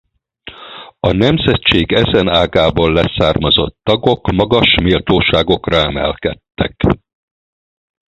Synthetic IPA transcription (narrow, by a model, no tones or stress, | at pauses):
ɒnɛmzɛtt͡ʃeːɡɛzɛnaːɡaːbollɛsaːrmɒzo̞̰t̪ːɒɡo̞kmɒɡɒʃmilt̪oːʃaːɡo̞krɒɛmɛ̰lkɛt̪ːɛ̰k